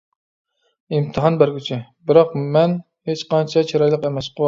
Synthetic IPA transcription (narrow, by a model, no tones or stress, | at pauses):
imt̪ʰɨɦɑnbæɾkʲyt͡ʃʰibɪɾɑqmɛn | het͡ʃqɑnt͡ʃʰɛt͡ʃʰiɾɑjlˠəqɛmɛsqʰəwˠ